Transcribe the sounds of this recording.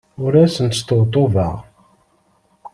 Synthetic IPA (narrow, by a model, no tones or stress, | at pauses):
ʊɾæsənt̪st̪ət̪ˤːovəʁ